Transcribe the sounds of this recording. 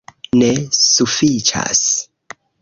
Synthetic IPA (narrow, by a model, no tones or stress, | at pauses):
nesufit͡ʃa̰s